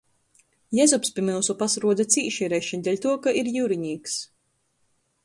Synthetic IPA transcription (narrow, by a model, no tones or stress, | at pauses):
jɛzɔpspʲimɨlˠsupasɾuɔd̪at̪sʲiːʃiɾɛːʃɛnʲd̪ʲɛlʲt̪uɔkaiɾjuːɾiɲiːks